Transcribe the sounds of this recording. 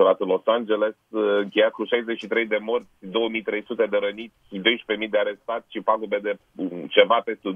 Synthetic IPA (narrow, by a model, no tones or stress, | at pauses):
oɾat̪unlo̞sand͡ʒe̞le̞sɨŋkʲe̞jat̪kuʃajzet͡ʃʃit̪ɾe̞jd̪e̞mo̞rt̪sʲd̪o̞wəmijt̪ɾe̞jsut̪e̞d̪e̞ɾənit̪sʲid̪o̞jʃpe̞mijd̪eaɾe̞st̪at̪sʲʃipaɡube̞d̪e̞ | t͡ʃe̞vape̞st̪u